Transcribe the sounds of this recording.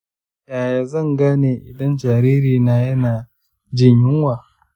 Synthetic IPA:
jaː˨ja˨zɐ˦˨ŋɡaː˦neː˨ʔɪ˨dɐ˦nd͡ʒaː˨ɾiː˦ɾiː˨naː˨jɐ˦naː˨ | d͡ʒɪ˦ɲjɪ˦ŋwaː˨

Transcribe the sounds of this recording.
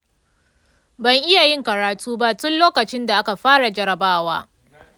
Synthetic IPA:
bɐ˨ŋʔɪ˦ja˨jɪ˦ŋkɐ˨ɽaː˨tʰuː˦ba˦ʔtʊ˦nloː˦kɐ˨t͡ʃɪ˦nda˨ʔa˦ka˨ɸaː˦ɽa˨d͡ʒɐ˦ɾɐ˨baː˦waː˦

